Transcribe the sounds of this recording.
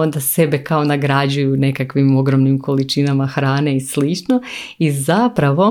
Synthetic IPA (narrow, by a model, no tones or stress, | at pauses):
ond̪ase̞be̞kao̞naɡɾad͡ʑujune̞kakʋimo̞ɡɾo̞mnimko̞lit͡ʃinamaxɾaːne̞islit͡ʃnoizapɾaʋo̞